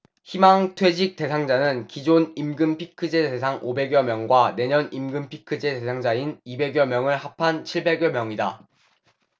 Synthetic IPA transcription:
çimaŋtʰwe̞d͡ʑik̚t͈e̞sʰaŋd͡ʑanɯnkid͡ʑonimɡɯmpʰikʰɯd͡ʑe̞te̞sʰaŋʔobe̞ɡjʌmjʌŋɡwane̞ɲʌnimɡɯmpʰikʰɯd͡ʑe̞te̞sʰaŋd͡ʑainibe̞ɡjʌmjʌŋɯɭhapʰant͡ɕʰiɭbe̞ɡjʌmjʌŋida

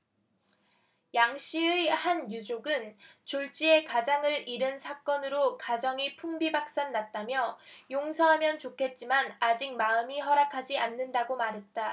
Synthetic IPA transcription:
jaŋɕ͈iehanjud͡ʑoɡɯnt͡ɕoɭt͡ɕ͈ie̞kad͡ʑaŋɯɾiɾɯnsʰak͈ʌnɯɾokad͡ʑʌŋipʰuŋbibak̚s͈anːat̚t͈amjʌjoŋsʰʌɦamjʌnt͡ɕokʰe̞t̚t͡ɕ͈imanad͡ʑik̚maɯmiɦʌɾakʰad͡ʑianːɯndaɡomaɾɦe̞t̚t͈a

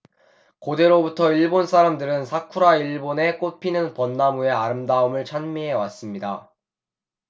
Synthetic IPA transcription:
kode̞ɾobutʰʌiɭbonsʰaɾamdɯɾɯnsʰakʰuɾaiɭbone̞k͈opʰinɯnpʌnːamue̞aɾɯmdaumɯɭt͡ɕʰanmiɦe̞was͈ɯmɲida

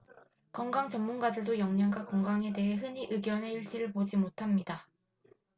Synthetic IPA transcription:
kʌŋɡaŋt͡ɕʌmːunɡadɯɭdojʌŋɲaŋɡwakʌŋɡaŋe̞de̞ɦe̞ɦɯniʔɯɡjʌne̞iɭt͡ɕ͈iɾɯɭpod͡ʑimotʰamɲida

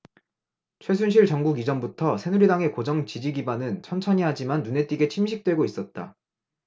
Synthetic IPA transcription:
t͡ɕʰwe̞s̬ʰunɕ̬ʰiɭt͡ɕʌŋɡuɡid͡ʑʌmbutʰʌsʰe̞nuɾidaŋe̞kod͡ʑʌŋt͡ɕid͡ʑiɡibanɯnt͡ɕʰʌnt͡ɕʰʌɲiɦad͡ʑimanːune̞t͈iɡe̞t͡ɕʰimɕʰik̚t͈we̞ɡois͈ʌt̚t͈a̰

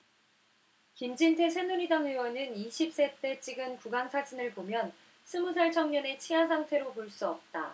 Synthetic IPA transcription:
kimd͡ʑintʰe̞sʰe̞nuɾidaŋɦewʌnɯniɕʰip̚s͈e̞t͈e̞t͡ɕ͈iɡɯnkuɡaŋsʰad͡ʑinɯɭpomjʌn | sʰɯmusʰaɭt͡ɕʰʌŋɲʌne̞t͡ɕʰiasʰaŋtʰe̞ɾopoɭs͈uʌp̚t͈a

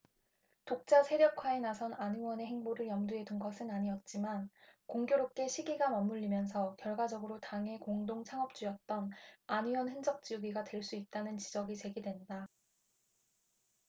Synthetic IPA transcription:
tok̚t͡ɕ͈asʰe̞ɾjʌkʰwae̞nasʰʌnaɲiwʌne̞ɦeŋboɾɯɭjʌmduɦe̞dunɡʌsʰɯnaɲijʌt̚t͡ɕ͈imankoŋɡjoɾop̚k͈e̞ɕʰiɡiɡamʌmːuʎːimjʌns̬ʰʌkjʌɭɡwad͡ʑʌɡɯɾotaŋɦe̞koŋdoŋt͡ɕʰaŋʌp̚t͡ɕ͈ujʌt̚t͈ʌnaɲiwʌnɦɯnd͡ʑʌk̚t͡ɕ͈iuɡiɡatwe̞ɭs͈uit̚t͈anɯnt͡ɕid͡ʑʌɡit͡ɕe̞ɡidwenda

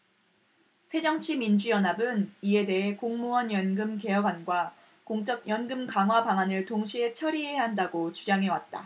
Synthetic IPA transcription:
sʰe̞d͡ʑʌŋt͡ɕʰimind͡ʑujʌnɦabɯnie̞de̞ɦe̞koŋmuʌnjʌnɡɯmke̞jʌɡwanɡwa | koŋt͡ɕ͈ʌk̚jʌnɡɯmkaŋɦwabaŋanɯɭtoŋɕʰiɦe̞t͡ɕʰʌɾiɦeɦandaɡot͡ɕud͡ʑaŋɦe̞wat̚t͈a̰

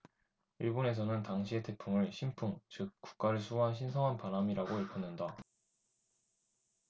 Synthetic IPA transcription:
iɭbone̞s̬ʰʌnɯntaŋɕʰie̞te̞pʰumɯɭɕʰimpʰuŋt͡ɕɯk̚k͈u̥k̚k͈aɾɯɭsʰuɦanɕ̬ʰinsʰʌŋɦanpanamiɾaɡoiɭpʰʌnːɯnda

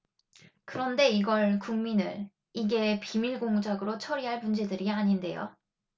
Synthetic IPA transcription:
kɯɾʌnde̞iɡʌɭkuŋminɯ̰ɾ | iɡe̞pimiɭɡoŋud͡ʑaɡɯɾot͡ɕʰʌɾiɦaɭmund͡ʑe̞dɯɾiaɲinde̞jo̰

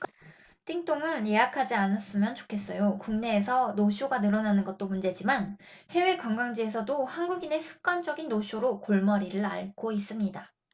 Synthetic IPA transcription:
k | t͈iŋt͈oŋɯnje̞akʰad͡ʑianas͈ɯmjʌnt͡ɕo̥kʰe̞s͈ʌjokuŋne̞ːsʰʌnoɕʰjoɡanɯɾʌnanɯnɡʌt̚t͈omund͡ʑe̞d͡ʑimanhe̞we̞kwʌŋɡwaŋd͡ʑie̞s̬ʰʌdohanɡuɡine̞sʰu̥k̚k͈wand͡ʑʌɡinːoɕʰoɾokoɭmʌɾiɾɯɭa̰ɭɡois͈ɯmɲida

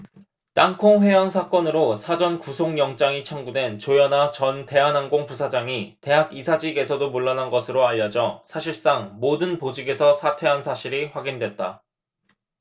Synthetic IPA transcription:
t͈aŋkʰoŋɸwe̞jansʰak͈ʌnɯɾosʰad͡ʑʌnkusʰoŋjʌŋt͡ɕ͈aŋit͡ɕʰʌŋɡude̞nt͡ɕojʌnat͡ɕʌnte̞ɦanaŋɡoŋpusʰad͡ʑaŋite̞ɦaɡisʰad͡ʑiɡe̞sʰʌdomuɭːanɦanɡʌsʰɯɾoaʎːʌd͡ʑʌsʰaɕʰiɭs͈aŋmodɯnpod͡ʑiɡe̞sʰʌsʰatʰwe̞ɦansʰaɕʰiɾiɸwaɡindwe̞t̚t͈a

